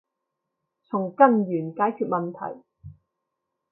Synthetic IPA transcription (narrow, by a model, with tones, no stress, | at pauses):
t͡sʰʊ˨˩ŋkɐ˥njyː˨˩nkaː˨˥jkʰyː˨˧t̚mɐ˨nt̪ʰɐ̰˨˩j